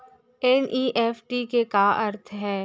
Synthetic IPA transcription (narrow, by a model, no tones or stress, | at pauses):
ɛniːʔɛːfʈikekaɐɾt̪ʰɦɛː